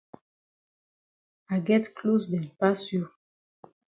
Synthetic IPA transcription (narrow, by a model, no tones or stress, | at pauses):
aɡɛt̪klusd̪ɛmpasyʁ